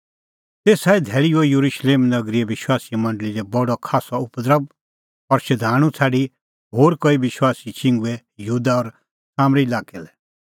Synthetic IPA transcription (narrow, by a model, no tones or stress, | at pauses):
t̪eːsaːid̪ʱɛːɭiojuɾuʃleːmnɐɡɾiɛʋɪʃwaːsimɐ̃ɳɖəliɾɛbɔɖɔkʰaːsɔʊpd̪ɾəb̚ | ɔɾʃɐd̪ʱaːɽ̃ũt͡sʰaːɖi | ɦoːɾkoiʋɪʃwaːsit͡ʃɪ̃ŋɡuɛ | juːd̪aɔɾ | saːmɾilaːkɛlɛ